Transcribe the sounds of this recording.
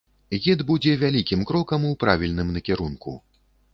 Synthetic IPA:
ɣʲɛd̪bud͡zʲɛvʲalʲikʲimkɾɔkɐmuwpɾavʲilʲnɨmnɐkʲɛɾunkṵ

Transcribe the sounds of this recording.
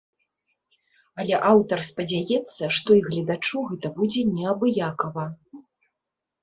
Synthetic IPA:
ɐlʲɛʔawt̪ɐrspɐd͡zʲajɛt̪sːɐʂt̪ɔiɣlʲɐd̪at͡ʂuɣɛt̪ɐbud͡zʲɛnʲɛɐbɨjakɐvɐ

